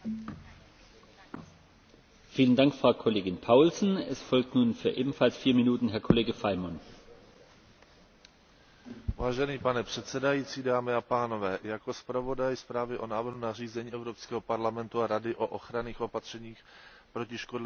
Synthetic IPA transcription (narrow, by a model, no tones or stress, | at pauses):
fiːləndaŋkfʁ̥aʊkʰɔleːɡɪnpʰaʊlsn̩ɛ̰sfɔlk̚tnuːnfyːɐʔḛːbm̩falsfiːɐmɪnuːtn̩ɦɛɐkʰɔleːɡəfaɪmɔn | vaːʒɛniːpanɛpr̝̥ɛt̪sɛdajiːt͡siːdaːmɪapaːnovɛːjako̞spɾavo̞dajspɾaːvɪʔonaːvr̩ɦunariːzɛɲiːɛvɾopskɛːɦopaɾlamɛnt̪uaɾadɪʔoʔoxɾaniːxʔopat̪r̝̥ɛɲiːx | pɾocɪʃkodl